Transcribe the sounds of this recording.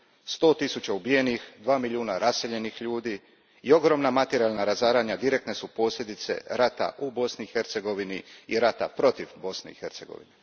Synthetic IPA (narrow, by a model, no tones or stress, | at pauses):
st̪o̞ːt̪isut͡ɕaubije̞nixd̪ʋaːmilʎiuːnaɾase̞ʎe̞nixʎuːd̪iː | io̞ɡɾo̞mnamat̪eɾialnaɾazaːɾaːɲad̪iɾe̞k̚t̪nesupo̞ːsʎʲe̞d̪it̪se̞̰ɾat̪a̰ʔubo̞sniixe̞ɾt̪se̞ɡo̞ʋiniiɾat̪apɾo̞t̪ivbo̞sne̞̰ḭxe̞ɾt̪se̞ɡo̰ʋḭne